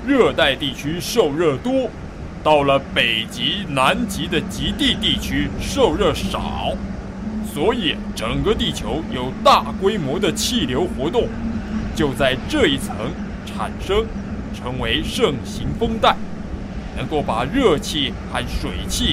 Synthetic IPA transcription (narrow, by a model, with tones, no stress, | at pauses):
ɻɤ˥˧t̪a˥˧ɪt̪i˥˩t͡ɕʰy˥ʂo˥˧ʊɻɤ˥˩t̪wɔ˥ | t̪ɑ˥˩ʊlə˩pe˨˩ɪt͡ɕi˧˥na˧˥nt͡ɕi˧˥d̪ə˨t͡ɕi˧˥t̪i˥˧t̪i˥˩t͡ɕʰy˥ʂo˥˧ʊɻɤ˥˩ʂɑ̰˨˩˦ʊ | swɔ˧˥i˨˩˦ | ʈ͡ʂə˨˩ŋkə˥˧t̪i˥˩t͡ɕʰjo˧˥ʊjo˨˩ʊt̪a˥˩kwe˥ɪmwɔ˧˥d̪ə˧t͡ɕʰi˥˩ljo˧˥ʊxwɔ˧˥t̪ʊ˥˩ŋt͡ɕjo˥˧ʊt͡sa˥˧ɪʈ͡ʂɤ˥˧i˥˩t͡sʰɤ̰˧˥ŋ | ʈ͡ʂʰa̰˨˩nʂɤ˥ŋ | ʈ͡ʂʰɤ˧˥ŋwe˧˥ɪʂɤ˥˩ŋɕi˧˥ŋfɤ˥ŋt̪a˥˩ɪ | nɤ˧˥ŋko˥˩ʊpa˨˩ɻɤ˥˧t͡ɕʰi˥˩xa˥˩nʂwe˨˩ɪt͡ɕʰi˥˩